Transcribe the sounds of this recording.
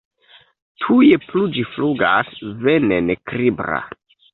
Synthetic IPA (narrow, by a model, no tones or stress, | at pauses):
tʰujeplud͡ʒifluɡasvenenekɾibɾa̰